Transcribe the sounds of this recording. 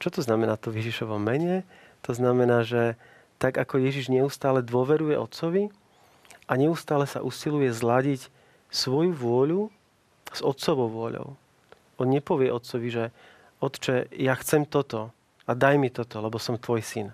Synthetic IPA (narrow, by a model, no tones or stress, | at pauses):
t͡ʃɔt̪ɔznamɛnaːt̪ɔʋjɛʒiʃɔʋɔmɛɲɛ | t̪ɔznamɛnaːʒɛ | t̪aɡakɔjɛʒiʒɲɛust̪aːlɛd̪ʊɔʋɛɾujɛʔɔt̪sɔʋi | ʔaɲɛust̪aːlɛsa̰ʔusilujɛzlaɟic | sʋɔjuʋʊɔʎu | z̥ɔt̪sɔʋɔʊʋʊɔʎɔ̰ʊ | ɔnɲɛpɔʋɪɛʔɔt̪sɔʋiʒɛ | ɔt̪t͡ʃɛjaxt͡sɛmt̪ɔt̪ɔ | ad̪ajmit̪ɔt̪ɔlɛbɔsɔmt̪ʋɔjsin